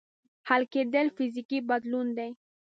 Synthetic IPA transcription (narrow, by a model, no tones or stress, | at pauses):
halked̪əlfizikibad̪lund̪ej